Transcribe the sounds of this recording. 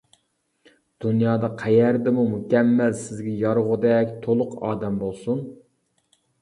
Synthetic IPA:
d̪̥unjɑːd̪ɑqʰæjæɾd̪ɪmumukʲɛmːælsɪzɡʲɛjɑɾʁʊd̪ɛkʲt̪ʰolˠʊqʰɑ̰ːd̪ɛmbolˠsun

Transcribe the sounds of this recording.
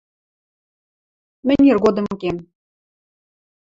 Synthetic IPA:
mɘ̆nʲerɣod̪ɤ̆mkem

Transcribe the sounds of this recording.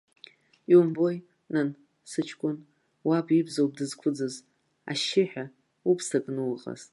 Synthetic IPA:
iumbo̞j | nan | sɨt͡ʃʰkʷʼʊn | wabʼibzowb̚ʼdɨzkʷʰʊd͡zɨz | a̰ʃɪħᶣa | upʰsakʼnɨwqʼa̰z̥

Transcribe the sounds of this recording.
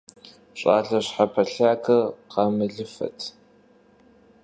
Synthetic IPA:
ɕʼa̰ːɮɐɕħapʰɐɬaːkʰɐqɑmɨɮɨfɐ̰tʰ

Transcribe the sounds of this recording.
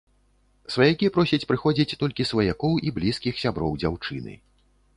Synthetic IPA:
svɐjakʲipɾɔsʲɐt͡sʲpɾɨxɔd͡zʲit͡sʲt̪ɔlʲkʲisvɐjakɔwʔiblʲiskʲixsʲabɾɔwd͡zʲawt͡ʂɨnɨ̰

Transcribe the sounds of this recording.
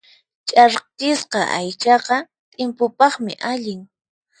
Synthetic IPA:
t͡ʃʼaɾt͡ʃɪsqɑ̰ʔajt͡ʃɑqɑ | t̪ʼɪmpʊpɑχmɪ̰ʔaʎɪŋ

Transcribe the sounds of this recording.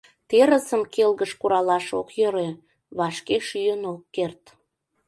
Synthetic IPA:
t̪eɾəsəmkelɣəʃkuɾɑlɑʃokjøɾe | βɑʃkeʃyjənokːert̪

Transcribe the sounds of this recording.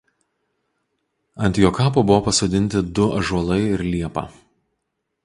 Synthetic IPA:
ɐnʲt̪ʲjoːkɑːpoːbʊʋopɐsoːd̪ʲɪnʲt̪ʲɪd̪ʊɐʒuɔlˠɐɪɪɾlʲiɛpɑ̰ː

